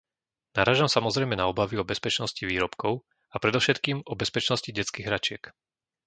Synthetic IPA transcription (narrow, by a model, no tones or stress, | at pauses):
naɾaːʒamsamɔzɾɛjmɛnaɔbaʋiɔbɛspɛt͡ʃnɔsciʋiːɾɔpkɔʊ | apɾɛd̪ɔʊʃɛt̪kiːmɔbɛspɛt͡ʃnɔsciɟɛt͡skiːɣɦɾat͡ʃɪɛk